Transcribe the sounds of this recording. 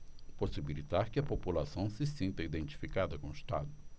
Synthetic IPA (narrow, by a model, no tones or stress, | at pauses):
posibilit̪aɾkɪɐpopulasɐ̃w̃sɪsĩnt̪ɐid̪ẽnt͡ʃi̥fikad̪ɐkõist̪a̰d̪ʊ